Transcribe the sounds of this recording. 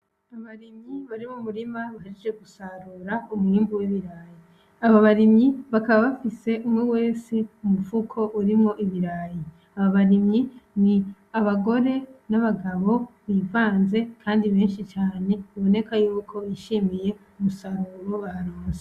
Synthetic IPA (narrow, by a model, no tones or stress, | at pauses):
aβaɾimɲiβaɾimumuɾimaβahaɾed͡ʒeɡusaɾuɾaumhiːmbuwiβiɾaji | aβaβaɾimɲiβakaβaβafise̞ʔumŋewe̞ːsiumufukʰo̞ʔuɾimŋo̞ʔiβiɾaji | aβaβaɾimɲini | aβaɡo̞ɾe̞naβaɡaβo̞βiːvaːnze̞kʰaːndiβe̞ːnʃit͡ʃaːne̞βiβo̞ne̞kajuːkʰo̞jiʃiːmije̞umusaɾuɾoβahaɾuːze